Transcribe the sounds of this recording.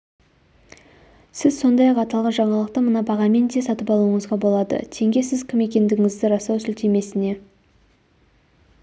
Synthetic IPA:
sɪzso̞nd̪ɑjɑqɑt̪ɑlˠʁɑnʒɑɴɑlˠəq̚t̪əmənɑbɑʁɑme̞nt̪esɑt̪əpɑlˠuəɴəzʁɑbo̞lˠɑd̪ə̰t̪ʰe̞ŋɡʲe̞sɪzkʲʰɪme̞kʲe̞nd̪ɪɡʲɪŋɪzd̪ɪɾɑsɑwsʏlt̪e̞me̞sɪne̞

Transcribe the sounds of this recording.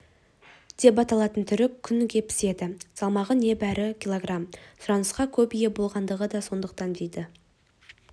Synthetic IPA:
d̪̥e̞pɑt̪ɑlˠɑt̪ənt̪ʰʏɾɪkʲʰːʏnkʲʰe̞pɪ̥se̞d̪ɪsɑlˠmɑʁəne̞bæɾɪkʲʰilˠoɡramsʊɾɑnəsqɑkʲʰɵpije̞bo̞lˠʁɑnd̪əʁəd̪ɑso̞nd̪əq̚t̪ɑnd̪ejd̪ɪ

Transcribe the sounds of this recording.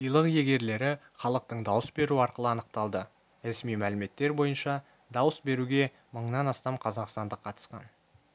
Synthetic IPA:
ijlˠəqje̞ɡʲe̞ɾle̞ɾɪ | χɑlˠəq̚t̪əɴd̪ɑwəsbe̞ɾuɑɾqəlˠəɑnəqt̪ɑlˠd̪ə | ɾe̞smijmælɪme̞t̪ːe̞ɾbo̞jənʃɑ | d̪ɑwəsbe̞ɾuɡʲe̞ | məɴnɑnɑst̪ɑmqʰɑzɑqst̪ɑnd̪əqʰɑt̪ə̥sqɑ̰n

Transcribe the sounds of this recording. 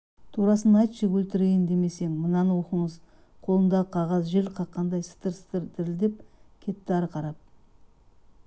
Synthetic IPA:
t̪ʰuɾɑsənɑjt̪ʃəkwɵlt̪ɪɾejɪnd̪e̞me̞seŋmənɑnwoqəɴəz | qʰo̞lˠənd̪ɑqʰɑʁɑzʒelqʰɑqːɑnd̪ɑjsɪ̥t̪əɾsə̥t̪əɾd̪ʰɪɾɪld̪ep̚kʲʰe̞t̪ːɪɑɾqʰɑɾɑp̚

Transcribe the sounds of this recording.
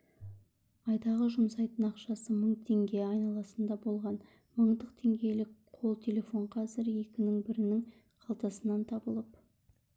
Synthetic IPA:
ɑjd̪ɑʁəʒʊmsɑjt̪ənɑqʃɑsəməɴt̪ʰe̞ŋɡʲe̞ɑjnɑlˠɑsənd̪ɑbo̞lˠʁɑn | məɴd̪əqt̪ʰe̞ŋɡʲe̞jlɪkqʰo̞lˠt̪ʰe̞le̞fo̞ɴqʰɑzɪɾje̞kʲɪnɪŋbɪɾɪnɪŋ | qʰɑlˠt̪ɑsənɑnt̪ʰɑbəlˠəp̚

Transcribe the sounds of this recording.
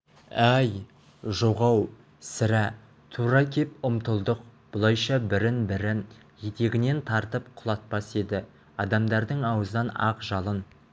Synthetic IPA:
æj | ʒoʁɑw | sɪɾæ | t̪ʰuɾɑkʲʰe̞pʊmt̪əlˠd̪əqb̥ʊlˠɑjʃɑbɪɾɪnbɪɾɪn | jet̪e̞ɡʲɪne̞nt̪ʰɑɾt̪əp̚qʰʊlˠɑt̪̚pɑse̞d̪ɪ | ɑd̪ɑmd̪ɑɾd̪əɴɑwəznɑnɑ̰qʒɑlˠən

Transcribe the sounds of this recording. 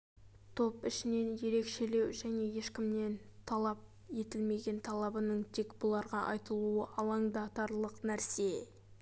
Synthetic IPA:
t̪ʰo̞pɪʃɪne̞nje̞ɾe̞kʃe̞le̞wʒæne̞je̞ʃkʲɪmne̞nt̪ʰɑlˠɑp̚ | je̞t̪ɪlme̞ɡʲe̞nt̪ʰɑlˠɑbənəɴt̪ʰekbʊlˠɑɾʁɑʔɑjt̪əlˠuəʔɑlˠɑŋd̪ɑt̪ɑɾlˠəqnæɾse̞

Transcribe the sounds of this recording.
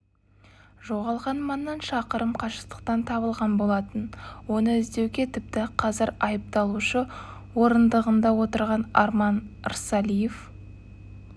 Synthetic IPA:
ʒo̞ʁɑlˠʁɑnmɑnːɑnʃɑqəɾəmqʰɑʃəqt̪ə̥q̚t̪ɑnt̪ʰɑβəlˠʁɑnbo̞lˠɑt̪ənwo̞nəʏzd̪e̞wɡʲe̞t̪ʰɪp̚t̪ɪqʰɑzɪɾɑjəp̚t̪ɑlˠuʃə | wo̞ɾənd̪əʁənd̪ɑwo̞t̪əɾʁɑnɑɾmɑnə̰ɾsɑlijef

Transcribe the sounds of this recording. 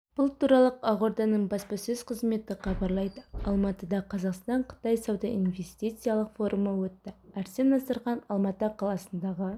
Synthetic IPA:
b̥ʊlˠt̪ʰuɾɑlˠəqɑʁo̞ɾd̪ɑnəɴbɑspɑsɵzqʰəzme̞t̪ɪqʰɑbɑɾlˠɑjd̪əɑlˠmɑt̪əd̪ɑqʰɑzɑqst̪ɑɴqʰə̥t̪ɑjsɑwd̪ɑʔinve̞st̪ijt̪sɨjalˠəqfo̞ɾʔuməwɵt̪ːɪæɾse̞nːɑsəɾʁɑnɑlˠmɑt̪əqʰɑlˠɑsənd̪ɑʁə

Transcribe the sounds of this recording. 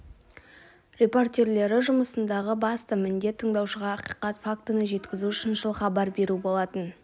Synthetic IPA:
rʲe̞po̞rt̪ʲe̞ɾle̞ɾɪʒʊməsənd̪ɑʁəbɑst̪əmɪnd̪e̞t̪ʰːəɴd̪ɑwʃəʁɑːqi̥jqɑt̪fak̚t̪ənəʒe̞t̪kʲɪzuʃɪnʒəlˠχɑbɑɾbe̞ɾubo̞lˠɑt̪ən

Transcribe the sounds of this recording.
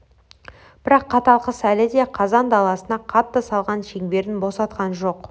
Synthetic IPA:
b̥ɪɾɑqʰːɑt̪ɑlˠqəsælɪd̪e̞qʰɑzɑnd̪ɑlˠɑsənɑqʰɑt̪ːəsɑlˠʁɑnʃe̞ŋbe̞ɾɪnbo̞sɑt̪qɑnʒo̞q

